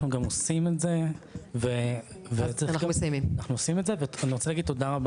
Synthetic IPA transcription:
χnuɡamosimetze̞veveenaɡaumesajmimnaχnuosimetzeveaniʁot͡selaɡid̚tːodaʁab

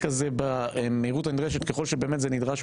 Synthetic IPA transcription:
kazebaemeiʁutanid̪ʁeʃetkeχo̞lʃebe̞ːmetzenidʁaʃ

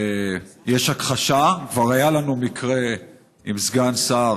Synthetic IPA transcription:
jeʃhakχaʃakvaʁajalanumikʁe | imzɡansa

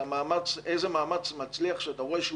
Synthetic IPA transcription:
maːmat͡sejzemaːmat͡smat͡sliaχʃeat̪aʁojʃ

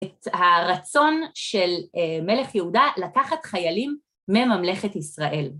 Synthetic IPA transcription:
thaʁat͡so̞nʃe̞lme̞le̞χjeudalakaχatχajalimː | emamle̞χe̞tisʁaʔe̞l

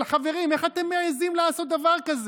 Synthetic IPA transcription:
lχaveʁime̞χat̪emːeajazimlaaːso̞t̪̚d̪avaʁkaz

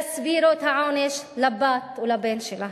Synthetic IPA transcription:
sbiːɾot̪aʕaːneʃlabaːt̪wlabeːnʃɪla

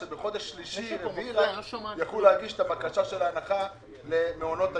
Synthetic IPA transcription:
ebeχo̞d̪eʃːliʃileviʁajaχluleaɡiʃet̪abakaʃaʃelaːnaχa | lemeono̞t̪a

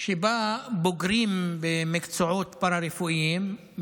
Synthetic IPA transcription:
ʃebaboɡɾimbemikt͡soʕot̪paɾaɾefuʔim

